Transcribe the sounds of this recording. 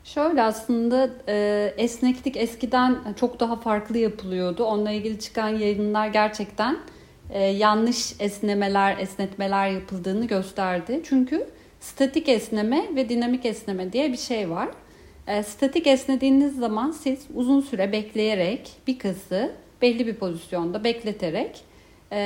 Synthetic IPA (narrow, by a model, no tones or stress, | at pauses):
ʃø̞jlʲɛaslˠɯnd̪aː | ɛsnɛclʲicɛscid̪ænt͡ʃʰo̞kd̪aɦafaɾklˠɯjapʰɯlˠɯjo̞d̪ʊo̞nlˠailʲɟilʲit͡ʃʰɯ̥kʰanjajɯnlˠaɾɟæɾt͡ʃʰɛct̪ʰæn | ɛːjanːˠɯʃɛsnʲeme̞lʲæɾɛsnɛt̪me̞lʲæɾjapʰɯlˠd̪ɯːnɯɟø̞st̪ʰæɾd̪ɪt͡ʃʰyɲcʰy | st̪ʰet̪ʰicɛsnʲemɛvɛd̪inamicɛsne̞mɛd̪ijɛbiʃejvaɾ̥ː | st̪ʰet̪icɛsnʲe̞d̪iːnizːamansiz̥uzunsyɾɛbɛclʲe̞jeɾɛcb̥ikʰasɯb̥ɛlʲːibipʰo̞zisjo̞nd̪abɛclʲe̞t̪ʰeɾɛcː